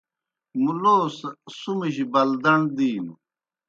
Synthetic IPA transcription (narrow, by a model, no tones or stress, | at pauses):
muloːssumiɕibɐld̪ɐɳd̪iːm